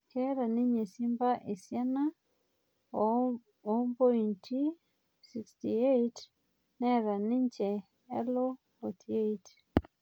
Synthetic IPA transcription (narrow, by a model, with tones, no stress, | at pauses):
kɛ˦ɾa˨ni˦ɲɛ˨si˦mbaʔe˨sja˦na | ɔmbɔ˦intʰi˦ | sikstiet | nɛ˦ɾa˨ni˦ɲt͡ʃɛ˨ | ɛ˦lo˦ | hɔtʰiet